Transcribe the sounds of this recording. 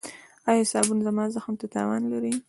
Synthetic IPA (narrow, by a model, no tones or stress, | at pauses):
ɑjesɑbunzamɑzaxmt̪at̪ɑ̰wɑ̰nlaɾi